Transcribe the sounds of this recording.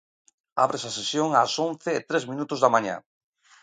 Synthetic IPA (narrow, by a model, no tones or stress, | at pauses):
a̰βɾesasesjoŋasonθɪːt̪ɾezmĩnut̪ʊzðamãɲa̰